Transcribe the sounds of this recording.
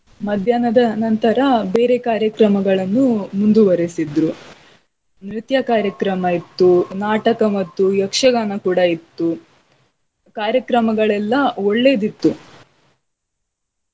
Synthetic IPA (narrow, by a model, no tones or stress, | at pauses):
mɐd̪ʱjaːnɐd̪ɐnɐnt̪ɐɾɐbe̞ːɾekaːɾjɐkɾɐmɐɡɐɭɐnːumund̪uʋɐɾesid̪ɾu | nɾit̪jɐkaːɾjɐkɾɐmɐit̪ːunaːʈɐkɐmɐt̪ːujɐkʂɐɡaːnɐkuːɽɐit̪ːu | kaːɾjɐkɾɐmɐɡɐɭɛlːɐoɭːe̞ːd̪it̪ːu